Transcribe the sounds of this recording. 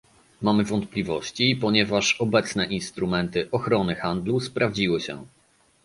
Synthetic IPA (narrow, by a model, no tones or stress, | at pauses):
mamɘvɔnt̪̚plʲivɔɕt͡ɕipɔɲɛvaʂɔbɛt̪snɛʔinst̪ɾumɛnt̪ɘʔɔxɾɔnɘxand̪luspɾʔavd͡ʑiwɘɕɛ̰